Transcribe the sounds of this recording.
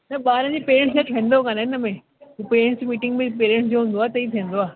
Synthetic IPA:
nɐɓaːɾə̃d͡ʑeːpeːɾẽɳʈsd͡ʑetʰẽnd̪okɐnaɪnɐmẽ | upeːɾẽɳʈsd͡ʑemiːʈɪ̃ŋɡbĩpeːɾẽɳʈsd͡ʑoːɦʊ̃n̆d̪oaːt̪ɐit̪ʰĩːə̃nd̪oaː

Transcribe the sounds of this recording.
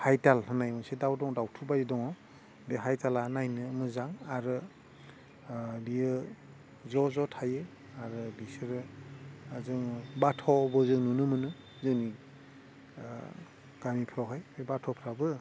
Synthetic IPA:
hajtalɦɯnajɔnsedawdɔŋdawtʰubajidɔŋɔ | beɦajtalanajnɯːmɯzaŋaɾɯ | ɾiɯ | zɔzɔtʰajɯ | aɾɯbisɯɾɯ | zɯŋbatʰɔbɔzɯŋnunɯmɯnɯ | zɯŋni | ɡ̥amipʰɾawɦajbatʰɔpʰɾabɯ

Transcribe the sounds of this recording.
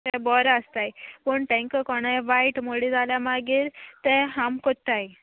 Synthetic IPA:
t̪ɛbɔɾaəst̪ajpəɳpɛ̃ŋkəkɔɽ̃ajʋaiʈmoɽid͡zʱaljamaɡiːɾt̪ɛ̃ɦamkot̪ːaj

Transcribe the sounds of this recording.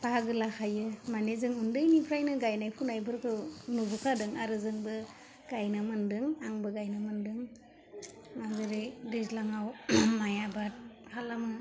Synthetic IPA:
paaɡɯlakʰajɯmanezɯŋundɯjnipʰɾajnɯɡajnajpʰunajbɯɾkʰɯnubukʰadɯŋaɾɯzɯŋbɯ | ɡ̥ajnɯmɯndɯŋaŋbɯɡajnɯmɯndɯŋ | mazɯɾɯjdizlaŋawmajabat̚hʰalamɯ

